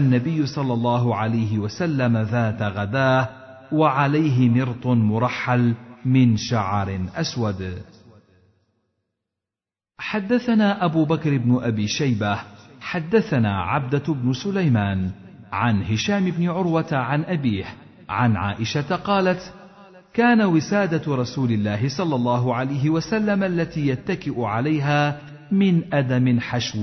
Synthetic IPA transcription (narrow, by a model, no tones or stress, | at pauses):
ʔanːabɪjːʊsˤɑlːɑlˤːɑːɦʊʕalajɦɪwasalːamaðaːt̪aɣad̪aːh | waʕalajɦɪmɪɾt̪ˤʊmʊɾˤɑħːalmɪnʃaʕɾɪʔaswad̪ | ħad̪ːaθanaːʔabuːbakɾɪbnʊʔabiːʃajbahħad̪ːaθanaːʕa̰b̚d̪abnʊsʊlajmaːn | ʕanhɪʃaːmɪbnɪʕʊɾwat̪aʕanʔabiːh | ʕanʕa̰ːʔɪʃat̪qɑːlat̪ | kaːnawɪsaːd̪aɾˤɑsuːlɪlːaːɦɪsˤɑlːɑlˤːɑːɦʊʕalajɦɪwasalːamʔalːat̪iːjat̪ːakɪʔʊʕalajɦaː | mɪnʔad̪amɪnħaʃw